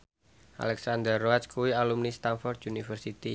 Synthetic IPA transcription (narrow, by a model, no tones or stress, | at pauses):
ʔa̰lɛksand̪ərːoaskuwialumnist̪anfɔrd̪junifərsit̪i